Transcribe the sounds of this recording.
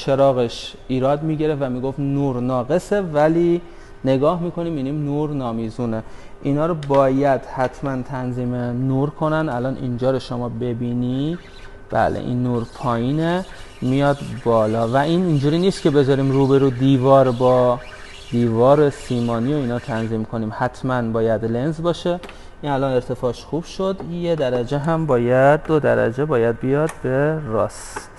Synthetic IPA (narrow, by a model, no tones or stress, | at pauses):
t͡ʃʰe̞ɾɒːɣeʃ | iːɾɒːd̪miːɟe̞ɾefvæmiːɡofnuːɾnɒːɣe̞se̞væliː | ne̞ɡɒːhmiːkʰo̞niːmːiniːmnuːɾnɒːmiːzuːne | ʔinɒːɾobɒːjæd̪̥hæt̪ʰmænt̪ʰænziːmenuːɾkʰo̞nænd̪ælɒːnʔḭnd͡ʒɒːɾoʃomɒːbe̞biːni | b̥æ̰ːlʔḛʔḭnːuːɾpʰɒːjiːne | mijɒːd̪bɒːlɒːvæʔiːnind͡ʒuːɾiːniːst̪̚cʰe̞be̞zɒːɾiːmruːbe̞ɾuːd̪iːvɒːɾbɒː | d̪̥iːvɒːɾesiːmɒːniːo̞iːnɒːt̪ʰænziːmkʰo̞niːmhæt̪ʰmænbɒːjæd̪le̞nzbɒːʃe | ʔiːnælɒne̞ɾt̪ʰe̞fɒːʃxuːb̥ʃo̞d̪je̞d̪æɾæd͡ʒeɦæmbɒːjæd̪ːod̪æ̰ɾæ̰d͡ʒebɒːjæd̪̚bijɒːd̪̥̚be̞ɾɒːs